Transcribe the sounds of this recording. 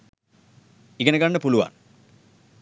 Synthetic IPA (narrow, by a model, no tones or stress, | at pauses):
iɡɐnəɡaɳːəpuluʋa̰n